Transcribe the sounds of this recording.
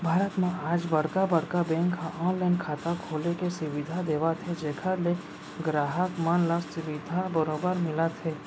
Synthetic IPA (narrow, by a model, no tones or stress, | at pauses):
bʱaːɾət̪mẽaːd͡ʒbɐɽ̤kabɐɽ̤kabɛ̃ːŋkʰːaʔɔ̃ːnlaːnkʰaːt̪akʰoːlekesʊʋɪd̪ʱad̪eːʋat̪ʰed͡ʒeːkʰəle | ɡɾaːɦəkmənləssʊʋɪd̪ʱabəɾoːbəɾmɪlat̪ʰeː